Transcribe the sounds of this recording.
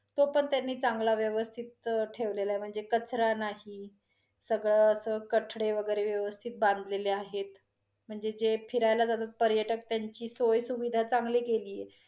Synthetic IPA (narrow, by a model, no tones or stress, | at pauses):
t̪opəɳt̪janːiːt͡saŋɡlaʋjəʋəst̪ʰit̪̚ʈʰeʋlelaem̤əɳd͡zekət͡sɾanaɦi | səɡɭəəsəːkəʈʰɽeʋəɡəjɾeʋjəʋəst̪ʰit̪̚bãnd̪leleaɦet̪ | m̤əɳd͡zed͡zepʰiɾajlad͡zad̪at̪̚pəɾjəʈək̚t̪jaɲt͡ɕiːsojsuʋid̪ʱat͡saŋɡlekeliːje